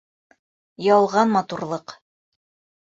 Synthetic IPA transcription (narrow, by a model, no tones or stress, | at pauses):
jɑlˠʁɑnmɑt̪uɾlˠɤq